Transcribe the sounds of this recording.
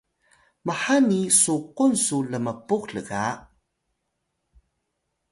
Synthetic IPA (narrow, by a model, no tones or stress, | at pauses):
maħanisuqunsuləməpukɬəɣa